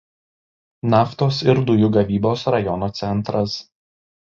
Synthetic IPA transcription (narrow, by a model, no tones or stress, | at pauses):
nɑːft̪oːsɪɾd̪ʊjʊɡɐʋʲiːboːsɾɐjɔnoːt̪sʲɛnˑt̪ɾɐs